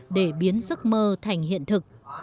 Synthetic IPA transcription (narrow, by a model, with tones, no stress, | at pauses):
ɗe˧˩ɓi˨˦ənzə˦˥k̚məː˧t̪ʰa˨˩jŋ̟ɦḭ˧˨ənt̪ʰɨ˨˩k̚